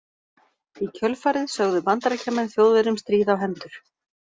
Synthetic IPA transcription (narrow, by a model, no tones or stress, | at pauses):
icʰœlfaːɾɪðsœɣðʏpant̪aɾacʰamɛnθjoːwðvɛɾʏmst̪ɾiːðawɦɛnt̪ʏɾ̥